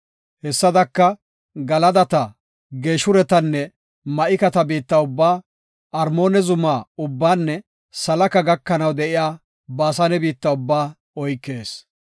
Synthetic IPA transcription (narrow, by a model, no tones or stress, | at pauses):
hɛsːɐd̪ɐkːɐ | ɡɐlɐd̪ɐt̪ɐ | ɡeːʃʊɾɛt̪ɐnːɛ | mɐʔɪkɐt̪ɐbiːt̪ːɐʊbːaː | ɐɾmo̞ːnɛzʊmaːʊbːaːnːɛ | sɐlɐkɐɡɐkːɐnɐwd̪ɛʔɪjaː | baːsɐnɛbiːt̪ːɐʊbːaː | ɔjkːe̞ːs